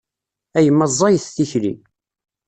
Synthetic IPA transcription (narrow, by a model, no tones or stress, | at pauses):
æjəmːəzˤːɑjθθiçlḭ